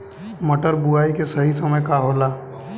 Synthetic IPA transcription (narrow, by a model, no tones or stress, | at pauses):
mɐʈəɾbuaːikesɐɦisɐməjkaɦoːlaː